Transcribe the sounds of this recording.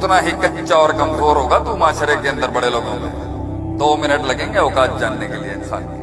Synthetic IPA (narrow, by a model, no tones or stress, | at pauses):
t̪naɦikɐtːʃaɔːɾkɐ̃mpɾoːɾɦoːɡat̪umaːʃəɾekeɐ̃nd̪əɾbɐɽeloːɡõmḛ̃ | d̪oːmɪnəʈlɐɡẽːŋɡeoːkaːd͡ʒd͡ʒaːnːekelieɪnsa̰ːnki